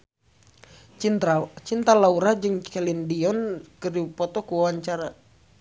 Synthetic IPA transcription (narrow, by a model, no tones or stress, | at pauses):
t͡ʃint̪alauɾad͡ʒɨŋt͡ʃɛlindiɔnkədipɔt̪ɔkuwawaɲt͡ʃaɾa